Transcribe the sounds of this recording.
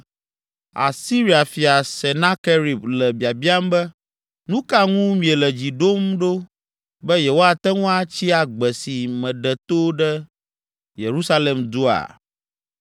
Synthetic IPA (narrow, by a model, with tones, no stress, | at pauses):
a̰˨si˦ɾi˨˦a˨fi˨a˨sɛ˨nã˦ke˦ɾi˨blɛ˨bi˨a˨bi˦a˦m˦bɛ˦ | nũ˦ka˦ŋũ˦mĩ˨e˨lɛ˨d͡ʑi˨ɖo˦mɖo˦ | bɛ˦jɛ˨wo˦a˨t̪ɛ˦ŋũ˦a˦t͡ɕi˦a˨ɡ͡bɛ˨si˨mɛ̃˨ɖɛ˨t̪o˦ɖɛ˦ | je˨ɾu˦sa˦le˨md̪o˦a̰˨